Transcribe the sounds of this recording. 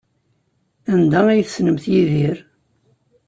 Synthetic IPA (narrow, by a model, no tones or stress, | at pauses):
ænd̪æijθsnəmθjiðiɾ